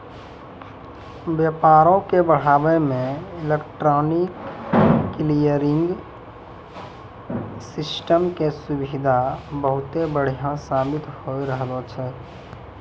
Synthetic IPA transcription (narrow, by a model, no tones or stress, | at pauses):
bjəpaːɾõkebəɽ̤aːbemẽɪlekʈɾɔːnikː | lijəɾɪ̃ŋɡ | sɪsʈəmkesʊbid̪ʱabəɦʊt̪ebəɽ̤ijãsaːbɪt̪hoiɾəɦlɔt͡ʃʰɛ